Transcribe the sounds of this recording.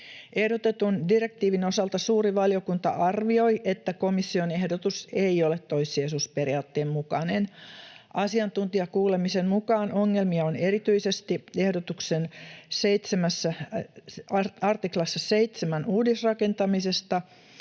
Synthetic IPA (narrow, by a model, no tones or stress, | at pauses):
ʔehdot̪et̪undirek̚t̪iːʋino̞sɑlt̪ɑsuːriʋɑlijokunt̪ɑ̰ʔɑrʋiojʔet̪ːækomisːionehdot̪useiolet̪t̪oisˑiesuːsperiɑːt̪ːeːmmukɑ̰nenʔɑsiɑnt̪unt̪iɑkuːlemisemmukɑːnʔoŋːelmiɑoneɾit̪yisest̪iehdot̪uksenseit̪semæsːæ | ɑrt̪iklɑsːɑseit̪semænuːdisrɑkent̪ɑmisest̪ɑ